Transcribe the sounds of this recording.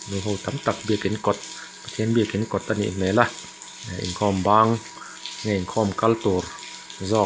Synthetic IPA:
nuɦowt̪amt̪ak̚biəkːinkot̪̚ | pat̪ʰiənbiəkinkɔt̪̚ʔanḭmɛːla | aʔḭnkʰɔːmbaːŋ | ŋaiŋkʰɔmkalt̪uɾ | zɔː

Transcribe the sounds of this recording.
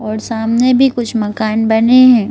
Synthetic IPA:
ɔːɾsaːmnebʱikʊt͡ʃʰmɐkaːnbɐneɦɛ̃ː

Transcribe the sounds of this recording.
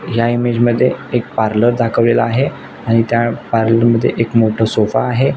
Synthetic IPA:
jaimed͡ʑməd̪ʱːjeek̚paɾləɾd̪ʱakʰəʋlelaaɦe | aɽ̃it̪japaɾləɾməd̪ʱːjḛʔekmoʈʰəsofa̰ːɦe

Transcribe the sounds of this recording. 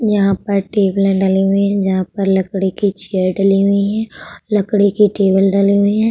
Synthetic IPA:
jɐɦãpɐɾʈeːbəlẽɖɐliɦuĩɦɛ̃d͡ʒɐɦãpɐɾlɐkɽikit͡ʃeəɾɖɐliɦʊiɦɛ̃ːlɐkɽikiʈeːbəlɖɐliɦʊiɦɛ̃

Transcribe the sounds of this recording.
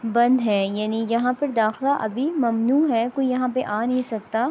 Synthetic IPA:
bɐ̃nd̪ɦɛːjaːnijɐɦãpɐɾd̪aːxlaʔɐ̰bʱimɐmnuːɦɛkoːijɐɦãpeʔaːnɐɦĩsɐk̚t̪aː

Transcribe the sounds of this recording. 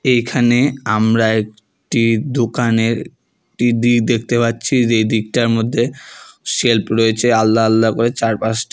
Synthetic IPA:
ejkʰaneamɾaek̚ | ʈid̪okaneɾ | ʈid̪ikd̪ek̚ʰt̪epatːɕʰid͡ʑejd̪ik̚ʈaɾmod̪ʱːeʃelpɾoet͡ɕʰealːaalːakoɾet͡ɕaɾpasʈ

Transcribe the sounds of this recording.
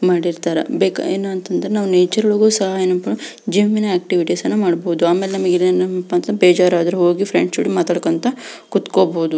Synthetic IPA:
maːɽiɾt̪aːɾɐ̰beːkeːnuɐnt̪ɐnd̪ɐɾenaːʋuneːt͡ʃɐɾɐɭoːɡuːsɐɦajenɐpɐd͡ʒiːʋminɐeːk̚ʈiʋiʈisɐnːumaːɽboud̪uaːmeːlenɐmɐɡiɐnɐpːɐnt̪beːd͡ʒaːɾaːd̪ɐɾuɦo̞ːɡipʰɾeɳɖsuːɽimaːt̪ɐɽɐkɐnt̪ɐkut̪koːboud̪u

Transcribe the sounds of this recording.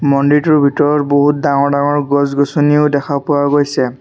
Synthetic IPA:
mɔndituɹbʱitɔɹɔtboɦut̚daŋɔɹdaŋɔɹɡɔzɡosoniʊdɛkʰapʊaɡojsɛ

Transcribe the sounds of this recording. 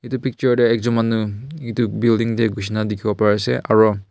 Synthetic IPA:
itupʰik̚t͡ʃɔɹdeɛk̚zɔmanːɯitubildiŋdeɡus̬inadikʰiɡɔpaɾaseʔa̰ɾɔ

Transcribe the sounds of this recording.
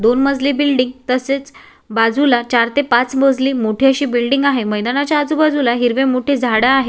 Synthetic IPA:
d̪onməd͡zlibilɖiŋɡt̪əset͡s | bad͡zʱulat͡ɕaɾt̪epat͡sməd͡zliːmoʈʰiəɕiːbilɖiŋɡaɦeməjd̪anat͡ɕjaːd͡zubad͡zulaɦiɾʋemoʈʰed͡zʱaɽaːɦe

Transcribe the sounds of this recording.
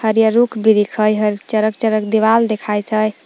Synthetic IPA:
həɾjəɾukʰbiɾikʰəjɦəɾt͡ʃəɾəkt͡ʃəɾəkd̪iʋald̪ekʰajt̪ʰəj

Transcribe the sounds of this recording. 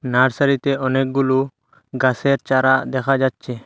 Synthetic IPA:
naɽsaɾit̪eɔnek̚ɡulu | ɡaseɾt͡ʃaɾad̪ɛkʰad͡ʒad̪̚t͡ʃʰɛ

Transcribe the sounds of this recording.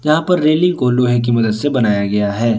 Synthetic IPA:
jɐɦãpɐɾːeːlɪ̃ŋɡ̚koːloɦɛ̃k̬imɐd̪əd̪sebɐnaːjaɡɐjaɦɛː

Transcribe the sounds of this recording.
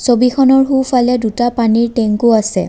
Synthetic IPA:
sobikʰɔnɔɹɦufʰalɛdutapaniɹteŋkuasɛ

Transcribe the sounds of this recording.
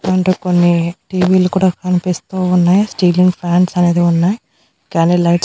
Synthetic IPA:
ɐɳʈeːkonːiʈiːʋiːlukuːɽaːkɐnipist̪uːunːaːjasʈiːliŋɡpʰaːɳɖsɐne̞ːd̪iunːaːji | kaːnilɐjʈs

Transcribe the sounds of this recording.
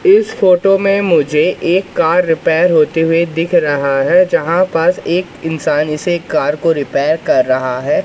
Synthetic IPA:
ɪsfoːʈomẽmʊd͡ʒʱeʔeːkːaːɾːɪpɛːɾɦoːt̪eɦʊed̪ɪkʰɾɐɦaɦɛd͡ʒɐɦãpɐɾseːkɪnsaːnɪsekːaːɾɾkoɾɪpɛːɾkɐɾːɐɦaɦɛː

